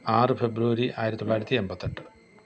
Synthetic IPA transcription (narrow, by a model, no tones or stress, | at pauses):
aːɾɨpʰebɾuʋɐɾiʔaːjɾɐt̪ulaːɽit̪iembɐt̪ːɐʈː